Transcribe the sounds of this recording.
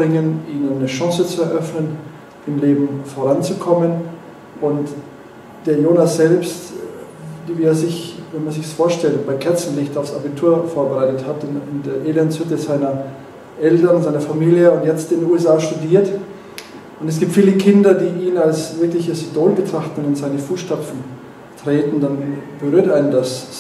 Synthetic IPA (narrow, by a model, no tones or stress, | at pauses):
bʁɪŋənʔiːnənːəʃɑ̃ŋsət͡suɛɐʔœfnən | ɪmleːbm̩foʁant͡sukʰɔmən | ʔʊnt | d̥eːɐjoːnasz̥ɛlpst | dviːeːɐzɪçvɛnmanzɪçsfoːɐʃtɛltb̥aɪkʰɛɐt͡sn̩lɪçtaʊfsabitʰuːɐfoːɐbəʁaɪtəthatnɪndeːɐʔeːlɛnshɪtjɛz̥aɪnɐ | ʔɛltɐnnzaɪnɐfamiːljəʊntjɛt͡stɪnnuɛsaːʃtudiːɐt | ʔʊntɛsɡ̥iːp̚tfiːləkʰɪndɐdiːiːnalsv̥ɪɐklɪçəsidoːlbətʁ̥aχtn̩ɪnzaɪnəfuːsʃtapp͡fn̩ | tʁ̥eːtn̩danb̥əʁyːɐtʔaɪnəndas